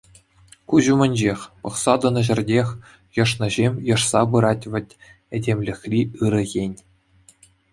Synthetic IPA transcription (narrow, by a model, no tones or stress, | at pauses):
kuʑumʲɘ̆nʲd͡ʑexʲpɤ̆χsɑd̪ɤ̆nɤ̆ʑɘ̆rʲdʲexʲ | jɤ̆ʂnɤ̆ʑemʲjɤ̆ʂsɑbɯɾɑtʲʋʲɘ̆tʲ | ɘ̆dʲemʲlʲɘ̆xʲlʲiɯɾɤ̆ɣʲenʲ